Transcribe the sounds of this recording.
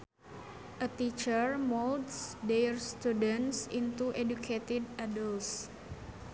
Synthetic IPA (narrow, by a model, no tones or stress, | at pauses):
ʔət̪it͡ʃərmoldsdejrst̪udənsint̪uʔedukʰet̪idʔadəls